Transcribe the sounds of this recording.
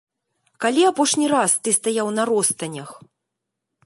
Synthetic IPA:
kalʲiapɔʂnʲiɾast̪ɨst̪ajawnɐɾɔst̪ɐnʲɐx

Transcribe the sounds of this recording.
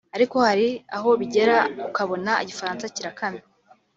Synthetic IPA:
aɾiko̞haɾiaɦo̞βiɟe̞ɾaukaβo̞naiɟifaɾaːnt͡saciɾakani

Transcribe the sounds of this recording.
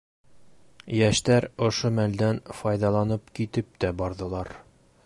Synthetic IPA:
jæʃt̪æɾŏʃomæld̪ænfɒjd̪ɑlˠɑnɤpkit̪ɘp̚t̪æbɒɾðɤ̆lˠɑɾ

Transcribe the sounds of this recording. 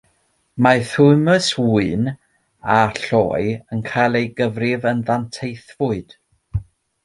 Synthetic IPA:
maθuɨməswuɨn | aɬɔ̰ːɨənkʰajlˠejɡəvrɪvənðantʰejθvʊɨd̥

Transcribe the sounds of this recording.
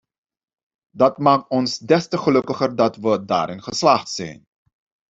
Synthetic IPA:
dɑtmaːk̚tɔnsdɛstəχəlɵkəχərdɑtʋəda̰ːɾɪnχəslɑχtsɛ̰jn

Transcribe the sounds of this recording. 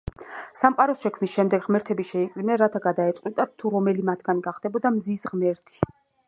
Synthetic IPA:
samqʼaɾɔsʃɛkʰmnisʃɛmd̪ɛɡʁmɛɾt̪ʰɛbiʃɛikʼlimɛɾat̪ʰaɡad̪aɛt̪sʼqʼwit̪ʼat̪ʰːuɾɔmɛlimat̪ʰɡanɡaχd̪̥ɛbɔd̪amzisʁmɛɾt̪ʰi̥

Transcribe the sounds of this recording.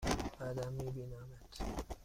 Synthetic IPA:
adamibinamat

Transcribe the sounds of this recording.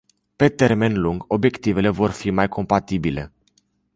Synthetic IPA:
pe̞t̪e̞rme̞nluŋɡo̞bje̞kt̪ive̞le̞vo̞rfimajkʰo̞mpat̪ibile̞̰

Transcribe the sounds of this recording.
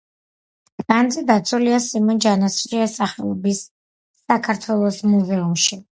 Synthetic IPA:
and̪zɛd̪at̪sʰuliasimɔnd͡ʒanasʃiasaχɛlˠɔbisː | akʰaɾt̪ʰwɛlˠɔsmuzɛumʃi

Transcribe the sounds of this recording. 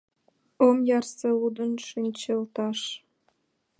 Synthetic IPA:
omjɑrseud̪ə̆nʃinʲt͡ɕelt̪ɑʃ

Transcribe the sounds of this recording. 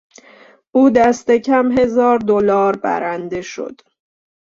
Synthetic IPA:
ʔuːd̪æst̪e̞cʰæmɦe̞zɒːɾd̪olɒːɾbæ̰ɾænd̪e̞ʃo̰d̪̥

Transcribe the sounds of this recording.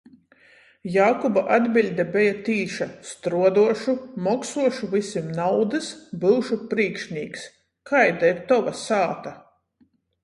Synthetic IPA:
jaːkɔbaʔad̪bʲilʲd̪ʲabɛjat̪iːʃast̪ɾuɔd̪uɔʃumɔksuɔʃuvisʲimnawd̪ɨsbɨwʃupɾiːkʃnʲiːks | kʰajd̪ɛːt̪ːɔvasaːt̪a

